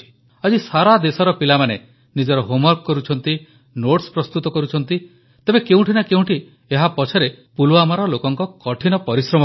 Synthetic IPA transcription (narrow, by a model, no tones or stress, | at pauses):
i̥ | ad͡ʒisaɾad̪esɔɾɔpilamane | nid͡ʒɔɾɔɦomɔɾkɔkːɔɾut͡ʃʰɔnt̪i | noʈspɾɔst̪ut̪ɔkɔɾut͡ʃʰɔn̪t̪i | t̪ebekeũʈʰinakeũʈʰi | eɦapɔt͡ʃʰɔɾepulwamaɾɔlokɔŋkɔkɔʈʰinɔpɔɾisɾɔm